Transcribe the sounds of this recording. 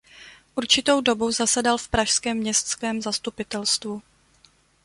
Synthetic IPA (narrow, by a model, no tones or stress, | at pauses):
ʔuɾt͡ʃɪt̪o̞wdo̞buzasɛdalfpɾaʃskɛːmːɲɛst̪skɛːmzast̪upɪt̪ɛlst̪vu